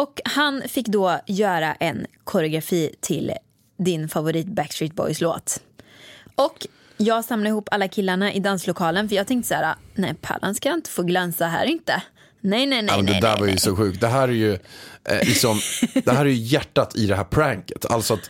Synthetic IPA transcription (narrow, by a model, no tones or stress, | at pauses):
ɔkhanfɪkːd̪oːjœːɾa̰ʔɛnkʰʊɾɛʊɡɾafiːt̪ʰɪl | d̪ɪnfavʊɾiːt̪bækst̪ɾɪːt̪̚bɔ̰jslo̰ːt̪ | ʔɔk | jɑːɡsamladɪhuːpːʰalːakʰɪlːaɳaʔɪd̪anslʊkʰɑːlənfœɾjɑːɡt̪ʰɛŋkt̪əsæːɾa̰nɛpʰa̰ːla̰nskajaɪnt̪ə̥foːɡlœnsaɦæ̰ːɾɪnt̪ə | nɛjnɛnɛmɛnd̪ɛd̪æ̰ːɾvajɵsɔɧʉ̟ːk̚t̪̚d̪ɛɦæːɾæɾjɵ̰ | lɪksɔmd̪ɛɦæːɾæɾjɵjæʈːat̪ʰɪd̪ɛɦæːɾpʰɾæŋkə̥t̪ʰa̰lt̪sɔat̪